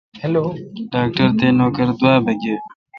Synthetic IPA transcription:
hloɖaːk̚ʈəɾt̪eːnoːkəɾd̪waːbʱɐɡe

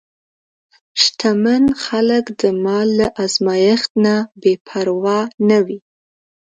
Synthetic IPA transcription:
ʃt̪ʰamanxaləkd̪əmɑlaʔɑzmɑjəxt̪nabepʰaɾwɑnawi

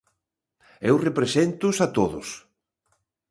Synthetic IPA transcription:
ewrepɾesent̪ʊsat̪oðʊs

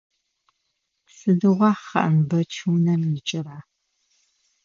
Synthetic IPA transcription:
sɨdɨʁʷɑːχɐ̰ʔɐmbɐt͡ʃʰuwnɐmjɪt͡ʃʼɪraː

